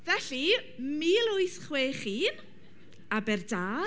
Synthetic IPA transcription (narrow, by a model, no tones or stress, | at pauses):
vɛɬimiːlˠʊɨjθχweːχiːn | abɛrdaː